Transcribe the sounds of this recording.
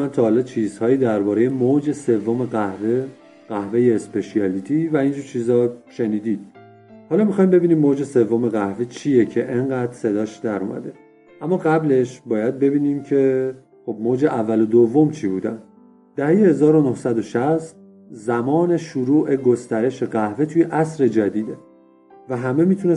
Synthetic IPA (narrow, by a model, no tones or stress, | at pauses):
ænt̪ʰɒːhɒlɒːt͡ʃʰiːz̥hɒːjiːd̪æɾbɒːɾeje̞moːd͡ʒe̞se̞vːome̞ɣæhve | ɢ̥æhve̞jeːspe̞ʃiɒliːt̪ʰiːvæind͡ʒuːɾt͡ʃʰiːzɒːʃe̞niːd̪iːd̪̥ | hɒːlɒːmixɒːjimbe̞biːniːmoːd͡ʒese̞vːome̞ɣæhvet͡ʃʰijecʰe̞ʔeŋɢæːd̪ɾse̞d̪ɒːʃd̪æɾṵːmæ̰d̪e̞ | ʔæmːɒːɣæble̞ʃbɒːjæd̪̚be̞biːniːmcʰe̞ | xo̞bmoːd͡ʒe̞ʔævːælod̪ovːo̞mt͡ʃʰibuːd̪æn | d̪̥æhejehe̞zɒːɾo̞nohsæd̪o̞ʃæst̪̚ | zæmɒːne̞ʃuɾuːʔe̞ɡo̞st̪æɾe̞ʃe̞ɣæhve̞t̪ʰujeʔæsɾe̞d͡ʒæd̪iːd̪e̞ | væɦæme̞miːt̪ʰune